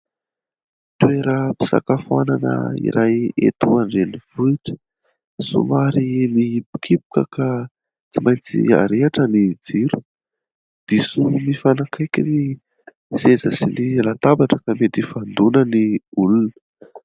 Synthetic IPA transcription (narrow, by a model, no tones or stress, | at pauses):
t̪weɾəpi̥sa̰kafuananə̰ḭɾajḛt̪uanreniv̥uiʈ͡ʂə̥ | sṵmaɾimipi̥kʰipu̥kəka | t͡simajnt͡sḭa̰ɾeaʈ͡ʂənid͡ziɾu̥ | d̪̥esunimifanakʰajkʲini | zezəsinilat̪abaʈ͡ʂəkamet̪ifand̪unəniulunə̥